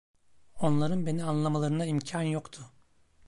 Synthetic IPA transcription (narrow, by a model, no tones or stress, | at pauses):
o̞nlˠaɾɯnbe̞nianlˠamalˠaɾɯnaimcʰanjokt̪ʰʊ